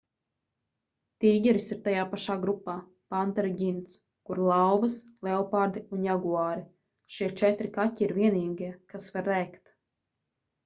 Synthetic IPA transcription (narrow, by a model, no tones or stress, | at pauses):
t̪iːɡʲɛɾisiɾt̪ajaːpaʃaːɡɾupːaː | pant̪ɛɾiɡʲint̪s | kuɾlˠawvɐslˠɛɔpaɾd̪iunjaɡuaːɾi | ʃiɛt͡ʃɛt̪ɾikaciiɾvʲiɛniːɡiɛkasvaɾːɛːkt̪